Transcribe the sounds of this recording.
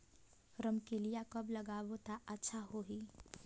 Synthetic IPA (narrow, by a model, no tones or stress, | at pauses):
ɾəmkelijakɐblɐɡaːbot̪aʔətːʃʰaɦoɦi